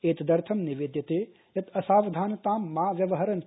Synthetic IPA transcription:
eːt̪d̪ɐɾt̪ʰɐmniʋeːd̪jɐt̪eː | jɐt̪ʰɐsaːʋd̪ʱaːnɐt̪aːmːaːʋjɐʋɐɦɐɾɐn

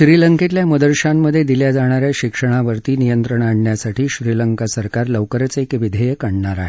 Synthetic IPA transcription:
ɕɾiləŋket̪ljaməd̪əɾɕamːəd̪ʱːjed̪iljad͡zaɽ̃aɾjaɕikʂəɽ̃aʋəɾt̪iːnijənt̪ɾəɳaɳɳjasaʈʰiːɕɾiləŋkasəɾkaɾləʋkəɾət͡sekʋid̪ʱəjəkaɳɳaɾa̰ɦe

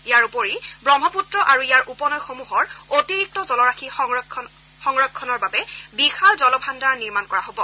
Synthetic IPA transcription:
ijaɹupoɹibɹɔmʱɔputɹɔʔaɹuijaɹʔupɔnɔjxomuɦɔɹotiɹik̚tɔzɔlɔɹaxi | xɔŋɹɔkʰːɔnɔɹbabɛbixalzɔlɔbʱandaɹniɹmankɔɹaɦobɔ

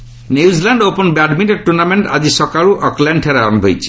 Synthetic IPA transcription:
njuzilɛɳɖoponbaɖmiʈeʈuɾnameɳʈa̰d͡ʑisɔkaɭuʔɔklɛɳʈʰeɾaɾmɦojt͡ɕʰi̥

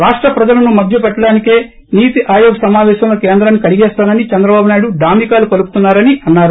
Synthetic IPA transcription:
ɾaːʂʈɾɐpɾɐd͡ʒɐlɐnumɐd̪ʱjɐp̬ɛʈːɐɽaːnike̞ː | niːt̪iʔaːjoːɡɐsɐmaːʋɛːʃɐmloːkeːnd̪ɾanːikɐliɡɛːst̪aːnɐnit͡ʃɛnd̪ɾɐbaːbunaːjɽuɖaːmikaːlukɐlupu̥t̪unːaːɾɐniʔɐnːaːɾu

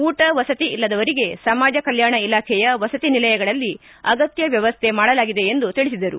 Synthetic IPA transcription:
uːʈɐʋɐsɐt̪iilːɐd̪ɐʋɐɾiɡe̞sɐmaːd͡ʒɐkɐljaːɳɐilaːkʰɛjɐʋɐsɐt̪inilɐjɐɡɐɭɐlːi | ɐɡɐt̪jɐʋjɐʋɐst̪ʰe̞maːɽɐlaːɡid̪e̞ːnd̪ut̪iɭisid̪ɐɾṵ

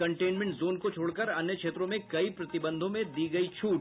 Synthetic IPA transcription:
kɐ̃ɳʈeːnmɛ̃ɳʈzoːnkot͡ʃʰoːɽkɐɾɐnjəkʃeːt̪ɾõmẽkɐipɾɐt̪ɪbə̃nd̪ʱõmẽd̪iːɡɐit͡ʃʰuːʈ

